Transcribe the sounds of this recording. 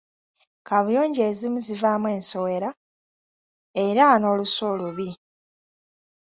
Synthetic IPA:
kʰaβujoːɲɟeːzimuzivaːmwe̞ːnso̞we̞ɾa | eɾano̞ːluso̞ːluβi

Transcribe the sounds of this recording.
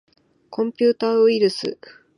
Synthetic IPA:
kʰõ̞mpʲɨːt̪aːɯiɾɯ̟sɨ̰

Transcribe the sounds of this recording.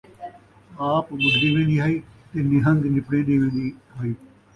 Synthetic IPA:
aːpmʊd͡ʒd̪eːʋẽːnd̪iːɦaːiːt̪eːnɪɦə̃nd̪nɪpɽẽːd̪eːʋẽːnd̪iːɦaːiː

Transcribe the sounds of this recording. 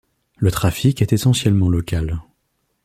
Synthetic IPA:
lət̪χafikɛt̪esɑ̃sjɛlmɑ̃lɔkal

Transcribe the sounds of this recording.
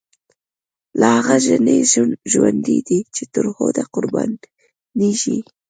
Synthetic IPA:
lahaɣaʒanəjʒunʒwand̪id̪it͡ʃet̪əɾxod̪aqʊɾban | niʃi

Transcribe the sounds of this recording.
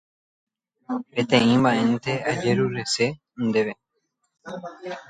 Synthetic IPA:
et̪eĩːmbaẽnt̪ead͡ʒeɾuɾese | nd̪eβe

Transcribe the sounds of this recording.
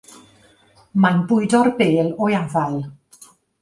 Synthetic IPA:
manbʊɨdɔrbeːlɔjavalˠ

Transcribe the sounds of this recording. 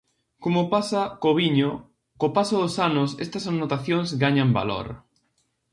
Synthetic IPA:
komopasakoβiɲo | kopasoðosanʊsɛst̪ɐsanot̪aθjoŋzɡaɲamba̰lo̰ɾ

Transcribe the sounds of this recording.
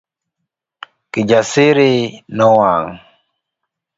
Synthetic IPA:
kid͡ʒasiɾenɔwaŋ

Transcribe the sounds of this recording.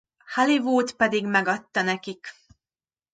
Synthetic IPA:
halivoːt̪pɛd̪iɡmɛɡɒt̪ːɒnɛkik

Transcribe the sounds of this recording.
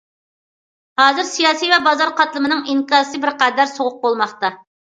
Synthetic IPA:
hɑːzɪɾsijɑːsijvɛbɑzɑɾqʰɑt̪lˠɨmɨnɨŋiŋkɑzsɨbɪɾqæd̪æɾsoʁʊq̚bolˠmɑχt̪ɑ

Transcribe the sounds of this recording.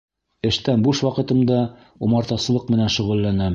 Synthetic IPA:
ɘ̆ʃt̪ænbuʃwɑqɤ̆t̪ɤ̆md̪ɑ | umɑɾt̪ɑsɤ̆lˠɤqmɘ̆nænʃɵ̆ʁɤ̆lːænæ

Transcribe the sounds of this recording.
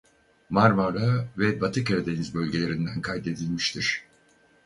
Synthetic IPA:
maɾmaɾavɛbat̪ʰɯkaɾad̪enizbølʲɟe̞lʲe̞ɾind̪ænkʰajd̪e̞d̪ilʲmiʃt̪ʰiɾ̥

